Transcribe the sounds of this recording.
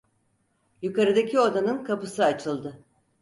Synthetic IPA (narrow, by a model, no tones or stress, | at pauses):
jukaɾɯd̪acʰio̞d̪anɯnkʰapɯsɯat͡ʃʰɯlˠd̪ɯ